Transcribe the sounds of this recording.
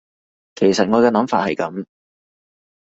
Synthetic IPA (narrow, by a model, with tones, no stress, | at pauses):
kʰe˨˩jsɐ˨t̚ŋɔː˨˧kɛː˧nɐ˨˥mfaː˧t̚hɐ˨jkɐ˨˥m